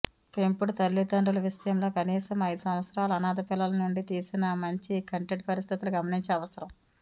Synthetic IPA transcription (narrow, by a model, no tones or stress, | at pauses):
pempuɽut̪ɐlːid̪ɐɳɖɐlɐʋisɐjɐmlo̞ːkɐniːsɐmɐjd̪usɐm̃ʋɐt̪sɐɾaːlɐɐnaːd̪ɐpilːɐlɐnuɳɖit̪iːsinɐmɐɲt͡ʃikɐɳʈeʈ̚pɐɾist̪ʰit̪uluɡɐmɐniɲt͡ʃɛɐʋɐsɐɾɐm